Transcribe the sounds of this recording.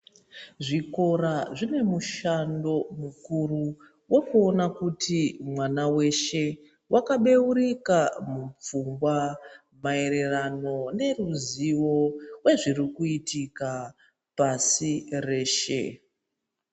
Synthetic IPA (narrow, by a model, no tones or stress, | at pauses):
ʐiko̞ɾaʐine̞muʃando̞mukuru | wo̞kuonakutimwanawe̞ʃe̞ | wʔakaɓe̞uɾikamup͡fumɡwa | mae̞ɾe̞rano̞ne̞ruziwo̞we̞ʐirikuitika | pasire̞ːʃe̞̰